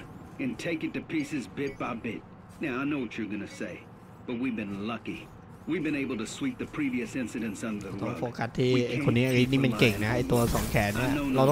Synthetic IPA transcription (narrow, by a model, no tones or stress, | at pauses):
ɨ̃ntʰeɪkɨtɨpʰisɨzbɪt̚b̥aɪbɪt̚ | naʊaɪnoʊwʌt͡ʃə˞ɡʌnɨseɪ | b̥ʌt̚wivbɨ̃nlʌki | wivbɨ̃ñeɪbl̩ˠtɨswip̚ðɨpʰɹ̥iviɨsɪ̃nsɨɾɨ̃ntsʌ̃nðət̪ɔŋfoːkat̪ʰːiːʔajkʰonːiːʔaɾit̪̚niːmankeŋnaʔajt̪uɐsɔːŋkʰɛːniɐnoʊɾat̪